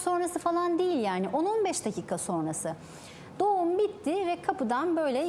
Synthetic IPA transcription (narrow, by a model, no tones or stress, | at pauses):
so̞nɾasɯfalˠand̪ejilʲjaːnɪʔo̞nonbɛʃd̪acʰiːkʰaso̞nɾasɯ | d̪̥o̞umbit̪ːɪvɛkʰapɯd̪anbø̞jlʲɛ